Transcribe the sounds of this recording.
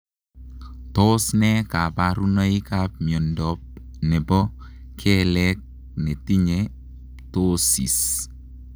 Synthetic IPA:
tɔsnɛkapaɾunəikap̚mjɔndɔp̚ | nɛpɔ | kʰɛlɛk̚ | nɛtiɲe | tosḭs

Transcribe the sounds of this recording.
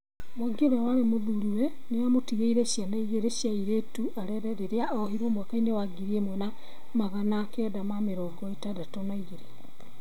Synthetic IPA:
mwaɡioɾɛwaɾemoðuɾuwɛ | newamotiɣeiɾeʃjanaiɣeɾeʃjaiɾetuʔaɾɛɾɛɾeɾeaɔhiɾwɔmwakainewaɡiɾiemwɛna | maɣanakɛdamameɾɔɡɔetadatonaiɣeɾe

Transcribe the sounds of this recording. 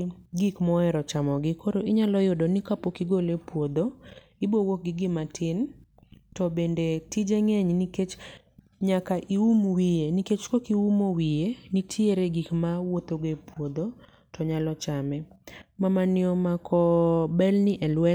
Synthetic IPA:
ɡikmɔɛɾɔt͡ʃamɔɡɪkoɾoʔɪɲalɔjodonɪkapokiɡolepwod̪o | ɪbowok̚ɡɪɡɪmatʰɪn | tɔbendetid͡ʒeŋeɲniket͡ʃ | ɲakaʔiumwijeniket͡ʃkokiumowijenitʰjeɾeɡikmawot̪oɡepwod̪o | tɔɲalɔt͡ʃamɛmamanɪɔmakʰɔbɛlnɪʔɛlwɛ

